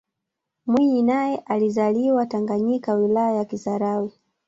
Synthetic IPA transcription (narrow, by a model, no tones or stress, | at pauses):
mwiɲinajɛʔalizaliwataŋɡaɲikawilajajakisaɾawi